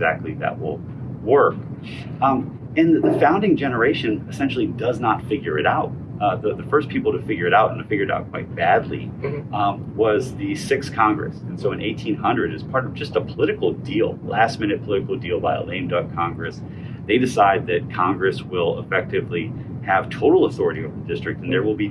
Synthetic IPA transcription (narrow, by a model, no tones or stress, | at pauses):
ɪɡzæ̰k̚tʰˡliðɨ̰ʔ̚wɪ̰lˠ | wɜ˞k | ɨ̃nðɨfãʊ̃ndɪ̃ŋd͡ʒɛnə˞eɪʃɨ̃nɨsɛ̃nʃl̩ˠidʌznətfɪɡjə˞ɨɾaʊt̚ | ðəðɨfɜ˞spʰipl̩ˠtʰɨfɪɡjə˞ɨɾaʊɾɨ̃n̩ɨɪfɪɡjə˞ɾa̰ʊt̚kʰw̥aɪt̚b̥ædˡlḭ | wʌzðɨsɪkskʰɑ̃ŋɡɹɨ̰sɨ̃n̩soʊɨ̃neɪtʰĩnɦʌ̃ndɹɨɾɨz̥pʰɑɹɾʌvd͡ʒʌstəpʰəlɪɾɨkl̩ˠdilˠlæst̚mɪ̃ñɨt̚pʰəlɪɾɨkl̩ˠdilˠbaɪə̰lẽɪ̃mdʌp̚kʰɑ̃ŋɡɹɨs | ðeɪdɨsaɪd̪̚ðɨt̚kʰɑ̃ŋɡɹɨswɪlˠə̰fɛk̚tɨvli | ɨv̥tʰoʊɾl̩ˠəθɔɹɨɾioʊvəðdɪstɹ̥ɨk̚tn̩ðə˞wəlˠbi